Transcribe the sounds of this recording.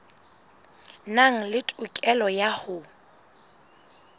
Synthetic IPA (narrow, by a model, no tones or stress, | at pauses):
naŋ̩lɪtʼʊkʼɛlɔjahʊ